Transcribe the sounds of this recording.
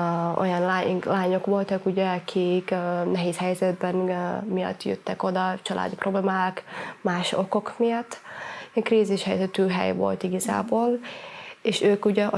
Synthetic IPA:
o̞̰jɒnlaːlaːɲo̞kʋo̞lt̪ɒkuɟɛɒkʰikːnɛɦeːshɛjzɛd̪̚bɛnmijɒ̰t̪ːjø̰t̪ːɛko̞d̪ɒt͡ʃɒlʔa̰ːd̪ipro̞bleːmaːkmaːʃo̞ko̞kmijɒt̪ːkriːziʃhɛjzɛt̪yːɦɛ̰jvo̞̰lt̪iɡɒza̰ːboːl | eːʃøːkuɟɛ

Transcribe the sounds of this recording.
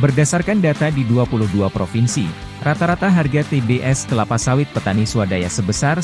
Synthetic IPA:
bərdasarkandat̪adiduapulʊhduapɾofinsḭ | rat̪aɾat̪aɦarɡat̪ebeʔɛst̪əlapasawɪt̪̚pət̪anisuadajasəbəsar

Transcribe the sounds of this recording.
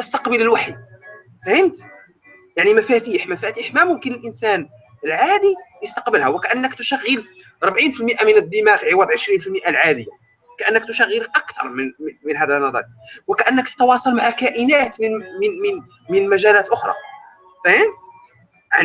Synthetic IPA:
ʔ̪əst̪ɑqbələlwaħḭ | fæhənt̪ | jaʕnimæfæt̪iːħmæfæt̪iːħmæmʊmkənəlʔənsæn | əlʕad̪ijəst̪ɑqbəlhæwəkæʔənːəkt̪ʊʃæɣːəl | ɾˤəbʕiːnfilməʔamənəd̪ːəmæɣʕiwæd̪ʕəʃɾiːnfilməʔalʕad̪əjːa | kæʔənːəkt̪ʊʃæɣːəlʔɑkt̪ʰɑ̰ɾˤməmənɦæd̪ænːɑd̪ˤɑ̰ɾ | wəkæʔənːəkt̪ə̥t̪wɑsˤɑlmaʕakæʔənæt̪mmm | mənmæʒælæːt̪ʔʊxɾˤɑ̰ | fæhənt̪̚ | aʕn

